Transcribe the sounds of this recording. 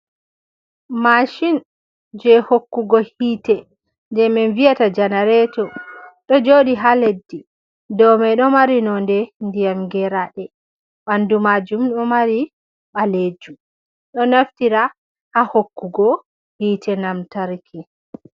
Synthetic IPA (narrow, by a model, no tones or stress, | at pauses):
maʃin | d͡ʒɛhokːuɡɔhiːtɛ | ndɛmɛnvijatad͡ʒanaɾɛtɔɗɔd͡ʒoɗiɦaledːi | dɔmɛɗɔmaɾinɔndɛndijamɡɛɾaɗɛ | ɓandumaːd͡ʒumɗɔmaɾi | ɓaled͡ʒum | ɗɔnaftiɾa | hahokːuɡɔ | hiːtʰɛnamtaɾkʰi